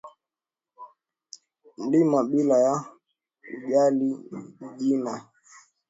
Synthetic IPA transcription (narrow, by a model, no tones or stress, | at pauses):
n̩limaɓilaja | uʄaliʄina